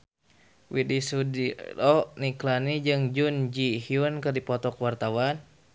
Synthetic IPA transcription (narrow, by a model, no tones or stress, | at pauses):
widisudilɔniklanid͡ʒɨŋd͡ʒund͡ʒiɦiunkɨrdipɔt̪ɔkwart̪awan